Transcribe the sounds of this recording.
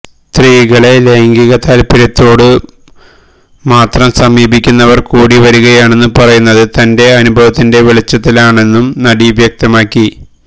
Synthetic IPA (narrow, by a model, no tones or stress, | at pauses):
t̪riːɣɐɭe̞le̞ːŋɡiɣɐt̪ːaːlpiɾɐt̪ːo̞ːɽɨ | maːt̪rɐmsɐmiːbʱikʲːunːɐʋɐrkuːɽiʋɐɾuɣɐjaːɳe̞nːɨpɐrɐjunːɐðɨt̪ɐnde̞ɐnubʱɐʋɐt̪ːinde̞ʋiɭit͡ɕːɐt̪ːilaːɳe̞nːumnɐɽiʋjɐk̚t̪ɐmaːkːi